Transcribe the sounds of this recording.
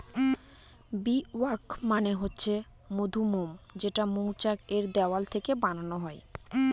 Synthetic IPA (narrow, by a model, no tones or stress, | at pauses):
biwaɾkmaneɦotːɕʰe | mod̪ʱumomd͡ʑeʈamuowt͡ɕakeɾd̪ɛoalt̪ʰekebananoɦɔe